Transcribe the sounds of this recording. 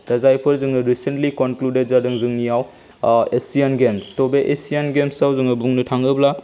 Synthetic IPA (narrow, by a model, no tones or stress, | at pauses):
dɐzajpʰɯɾzɯŋɯɾisentlikonkluded̚zadɯŋzɯŋnijaw | esijanɡemstobeʔesijanɡemsawzɯŋɐbuŋnɯtʰaŋɯbla